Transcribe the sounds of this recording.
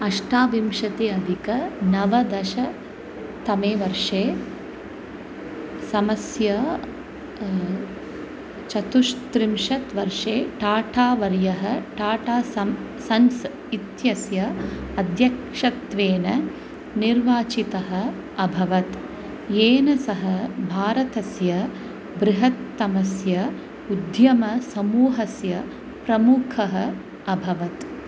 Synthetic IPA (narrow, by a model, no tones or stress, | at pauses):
ɐʂʈʰaːʋimʃɐt̪eɐd̪ʱikɐnɐʋɐd̪ɐʃɐ | t̪ɐmeːʋɐɾʂeː | sɐmɐsjɐ | t͡ʃɐt̪uʃt̪ɾimʃɐt̪ʋɐɾʂeːʈaːʈʰaːʋɐɾjɐɦɐʈaːʈʰaːsɐm | sɐns | it̪jɐsjɐɐd̪ʱjɐkʂɐt̪ʋeːnɐ | niɾʋaːt͡ʃit̪ɐɦɐ̆ | ɐbʱɐʋɐt̪ | jeːnɐsɐɦɐbʱaːɾɐt̪ɐsjɐ | bɾɪɦɐt̪ːɐmɐsjɐ | ud̪jɐmɐsɐmuːɦɐsjɐ | pɾɐmukʰɐɦɐ̆ | ɐbʱɐʋɐt̪